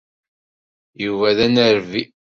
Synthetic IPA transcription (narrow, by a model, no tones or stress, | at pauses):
juvæðænəɾvi